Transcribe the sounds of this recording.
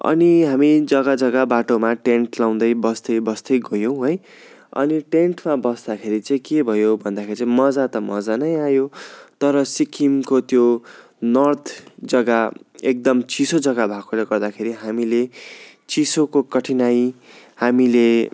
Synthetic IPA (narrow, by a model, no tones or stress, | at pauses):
ʌ̰niɦamid͡zʌɡad͡zʌɡabaʈomaʈeɳʈlaw̃d̪ʌjbʌst̪ʌjbʌst̪ʌjɡʌjow̃ɦʌj | ʌ̰niʈeɳʈmabʌsd̪akʰeɾit͡saĩkebʱʌjobʱʌnd̪akʰeɾit͡sãmʌd͡zat̪ʌmʌd͡zanʌjajot̪ʌɾʌsikʰimkot̪jo | nʌrt̪ʰd͡zʌɡaek̚d̪ʌmt͡sisod͡zʌɡabʱakoleɡʌrd̪akʰeɾiɦamile | t͡sisokokʌʈʰinajhamile